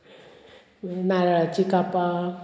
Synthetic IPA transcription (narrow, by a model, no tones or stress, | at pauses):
naɾat͡ʃikapa